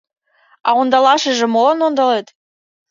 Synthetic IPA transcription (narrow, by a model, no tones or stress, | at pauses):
ɑond̪ɑlɑʃə̆ʒĕmolɤnond̪ɑlet̪